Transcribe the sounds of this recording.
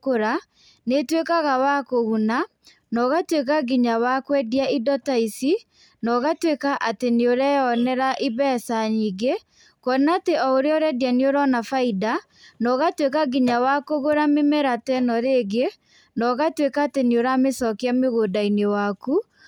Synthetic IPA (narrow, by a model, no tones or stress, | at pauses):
koɾa | netwekaɣawakoɣuna | nɔɣatwekaɡiɲawakwɛdjaʔidɔtaisi | nɔɣatwekaʔateneoɾɛjɔnɛɾaʔiβɛsaɲiɡe | kɔnateɔoɾeɔɾɛdjaneoɾɔnafaida | nɔɣatwekaɡiɲawakoɣoɾamemɛɾatɛnɔɾeɡe | nɔɣatwekaːteneoɾamesɔkeameɣodainewaku